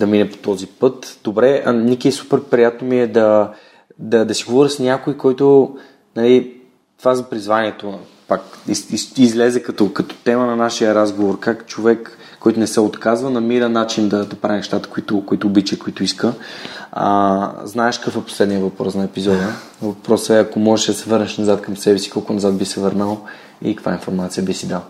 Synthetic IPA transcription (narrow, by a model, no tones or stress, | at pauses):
d̪ɐminɛpo̥t̪ɔzipɤt̪d̪obɾɛnikʲiɛsu̥pɛɾpɾijat̪nomiɛd̪ɐ | d̪ɐd̪ɐsiɡovɔɾisnʲakoikɔjt̪ʊ | nɐli | t̪ovazɐpɾizvaniɛt̪o | pakiiizlɛzɛkɐt̪ɔkɐt̪ɔ̥t̪ɛmənɐnaʃijəɾazɡovoɾkakt͡ʃovɛkː | ɔjt̪ʊnɛsɛot̪kazvənɐmiɾənat͡ʃind̪ɐd̪ɐpɾavʲinʃt̪at̪ə̥kʊit̪ʊkoit̪ʊːbit͡ʃiɛkʊit̪ʊiskə̰ | znaɛʃkəkfɛpo̥slɛd̪nijəvɐpɾɔsnɐɛpizɔd̪ə | vɐpɾɔsɛɐkomɔʒɛʃd̪ɐsɛvɤɾnɛʃnɐzat̪kɐmsɛbɛsi̥kɔlˠkʊnɐzat̪̚bisɛvəɾnəlˠ | ḭkəkva̰ɛinfoɾmat̪sijəbisid̪alˠ